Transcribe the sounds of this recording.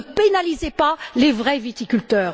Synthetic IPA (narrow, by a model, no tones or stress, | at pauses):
əpenalizepalevʁɛvit̪ikʲylt̪œːʁ